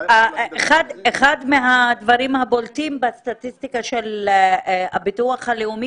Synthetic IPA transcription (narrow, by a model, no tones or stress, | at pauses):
aeχad̪eχad̪meɦad̪vaʁimhaboltimbest̪at̪ist̪ikaʃel | ha̰bituaχhaleumi